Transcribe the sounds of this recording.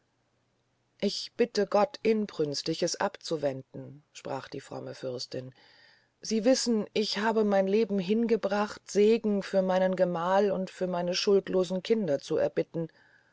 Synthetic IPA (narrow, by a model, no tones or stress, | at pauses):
ʔɪçb̥ɪtəɡɔtʰʔɪnpʁ̥ʏnstɪçəsʔa̰pt͡suvɛndn̩ʃpʁ̥a̰ːχd̥iːfʁ̥ɔ̰məfʏɐstɪn | ziːvɪsn̩ʔɪçhaːbəmaɪnleːbm̩ɦɪnɡəbʁaχtz̥eːɡŋ̩fyːɐmaɪnənɡəmaːlʊntfyːɐmaɪnəʃʊltloːzn̩kʰɪndɐt͡suʔɛ̰ɐbɪtn̩